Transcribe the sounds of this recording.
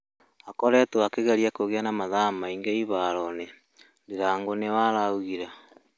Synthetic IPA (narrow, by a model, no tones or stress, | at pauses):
akɔɾɛtwakeɣaɾiakoɣeanamaðamaiŋɡeiβaɾɔne | deɾaŋɡonewaɾauɣiɾa